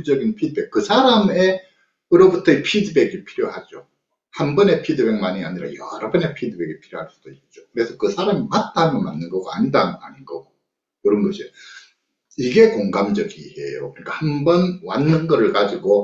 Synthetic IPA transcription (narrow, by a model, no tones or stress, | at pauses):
d͡ʑʌɡinpʰidɯbek̚kɯsʰaɾame̞ | ɯɾʌbutʰʌipʰidɯbe̞ɡiɭpʰiɾjohad͡ʑo | hambʌne̞pʰidɯbeŋmaɲia̰ɲiɾa̰jʌɾʌbɯne̞pʰidɯbe̞ɡipʰiɾjoɦhaɭs͈ud̥oik̚t͡ɕ͈okɯɾe̞sʰʌkɯsʰaɾamimat͈ʰamjʌnmanːɯnɡʌɡa̰ɲidanɦaninɡʌɡo | kɯɾʌnɡʌɕʰio | iɡe̞koŋɡamd͡ʑʌɡihe̞̰jo̰kɯɾɲik͈ahambʌnwanːɯnɡʌɾɯɭkad͡ʑiɡo